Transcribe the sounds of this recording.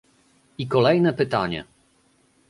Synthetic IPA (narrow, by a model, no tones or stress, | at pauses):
ikɔlɛjnɛpɘt̪aɲɛ̰